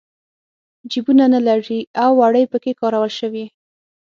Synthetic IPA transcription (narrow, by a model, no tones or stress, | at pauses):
d͡ʒibunanalaʐiawːaɽəjpəkekɑɾawəlʃəwi